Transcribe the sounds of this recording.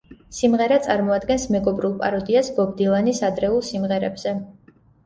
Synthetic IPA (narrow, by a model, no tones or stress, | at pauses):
simʁɛɾat̪sʼaɾmɔad̪ɡɛnsmɛɡɔbɾulˠpʼaɾɔd̪iasbɔɡ̚d̪ilˠanisad̪ɾɛulˠsimʁɛɾɛbz̥ɛ